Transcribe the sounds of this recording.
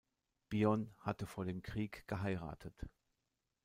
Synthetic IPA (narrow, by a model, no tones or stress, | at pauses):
b̥iɔnhatəfoːɐdeːmkʁ̥iːkɡ̥əɦaɪʁa̰ːtʰət